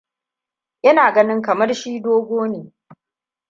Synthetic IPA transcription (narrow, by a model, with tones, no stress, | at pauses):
ʔɐ˦naː˨ɡɐ˦nɪ˦ŋkɐ˨mɐ˦rʃiː˦doː˦ɡʷoː˦niː˨